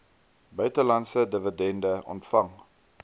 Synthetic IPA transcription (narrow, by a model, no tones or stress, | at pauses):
bœɥtəlɐntsədəvədɛndəʔɔ̰ntfɐŋ